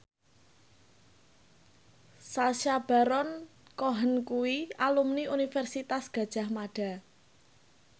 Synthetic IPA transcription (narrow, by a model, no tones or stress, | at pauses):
saʃab̥a̤ɾɔnkoɦənkuwialumniunifɛrsit̪asɡ̥ä̤d̥ʒ̥a̤hmaɖ̥a̤